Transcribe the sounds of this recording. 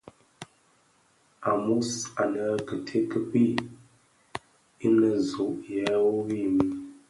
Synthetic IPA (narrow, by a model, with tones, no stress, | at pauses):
a˨mu˦sa˨nə˨˦kə˨tʰe˦kə˨pi˦ | i˦nə˨zu˨ʔjɛ˦wo˦wi˦˨mi˦